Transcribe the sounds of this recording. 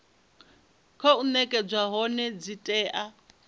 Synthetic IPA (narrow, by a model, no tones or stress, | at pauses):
kʰɔunɛkʼɛd͡zwaɦɔnɛd͡zitʼɛːʔa